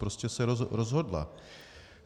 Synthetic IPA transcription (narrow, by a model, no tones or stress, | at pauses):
pɾoscɛsɛɾoɾozɦo̞dla̰